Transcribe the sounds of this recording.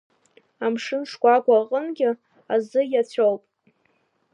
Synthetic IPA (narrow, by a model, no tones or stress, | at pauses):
amʂɨnʂkʷʼakʷʼaqʼənɡʲɪ | azɨjat͡ɕʷʰowpʼ